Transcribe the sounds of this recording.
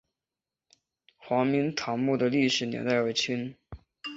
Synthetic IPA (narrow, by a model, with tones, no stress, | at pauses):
xwɑ˧˥ŋmi˧˥ŋt̪ʰɑ˧˥ŋmu˥˩d̪ə˩li˥˩ʂɻ̩˨˩njɛ̰˧˥nt̪a˥˩ɪwə˧˩t͡ɕʰi˥n